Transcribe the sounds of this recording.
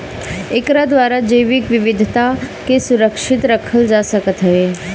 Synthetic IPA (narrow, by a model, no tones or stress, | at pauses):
ɪkɾad̪ʋaːɾad͡ʒəjʋɪkʋɪʋɪd̪ʱt̪akesʊɾəkʃɪt̪ɾəkʰəld͡ʒaːsəkət̪ɦəɦeː